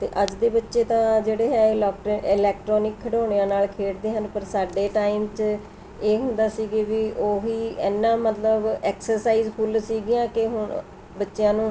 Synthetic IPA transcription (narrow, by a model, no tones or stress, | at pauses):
t̪ḛːʔəd͡ʒd̪eːbətːʃeːt̪ãːd͡ʒeːɽeːɦɛːlɔːkʈːɪlɛːk̚ʈɾɔːnɪkʰːəʈoːɽ̃eːãːnaːlkʰeːʈd̪eːɦənpəɾsaːɖeːʈaːiːmt͡ʃ | eːɦʊ̃nd̪aːsiːɡeːʋiʔoːɦiːɛːnːãːmət̪ləbɛːksəɾsaːiːzpʰʊlsiːɡɪjãːkɪɦʊ | bətːʃjãːnũː